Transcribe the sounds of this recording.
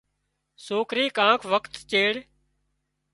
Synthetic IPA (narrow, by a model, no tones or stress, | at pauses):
soːkɾiːkãːkʰʋəkt̪t͡ʃeːɽ